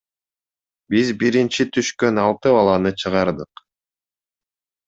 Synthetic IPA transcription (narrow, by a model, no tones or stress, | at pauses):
bizbiɾint͡ʃit̪ʰyʃkø̞nɑlˠt̪ɯbɑlˠɑnɯt͡ʃʰɯʁɑɾd̪ɯq